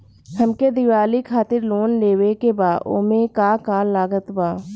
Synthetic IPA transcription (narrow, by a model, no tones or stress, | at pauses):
həmked̪ɪʋaːlikʰaːt̪ɪɾloːnleːwekebaːo̰ːmẽkakaːllaːɡət̪baː